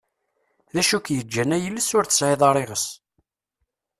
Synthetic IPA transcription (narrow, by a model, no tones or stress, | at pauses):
ðæʃukjəd͡ʒːænæjəlːəsʊɾθə̥sʕeðˤɑɾˤeʁəs